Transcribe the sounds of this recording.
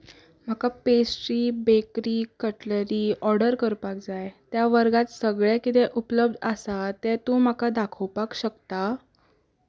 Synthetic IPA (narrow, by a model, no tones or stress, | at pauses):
m̤akapesʈɾiːbekɾiːkəʈləɾiːɔɾɽəɾkəɾpak̚d͡zajt̪jaʋəɾɡat̪səɡɭɛkit̪ɛʔupləb̚d̪ʱəsat̪ɛt̪ũm̤akad̪akʰəwpakɕəkt̪a